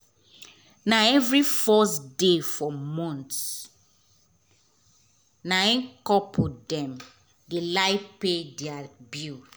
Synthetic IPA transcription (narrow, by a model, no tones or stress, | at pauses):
naɛvɾifɔsdefɔmɔ̃nts | naɛ̃nkɔpʰodɛ̃m | delaɪpedɛabu